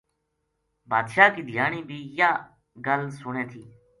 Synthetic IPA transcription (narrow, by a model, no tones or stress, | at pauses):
baːd̪ʃaːkiːd̪ʱɪjaːɳiːbʱiːjaː | ɡəlsʊɳeːt̪ʰiː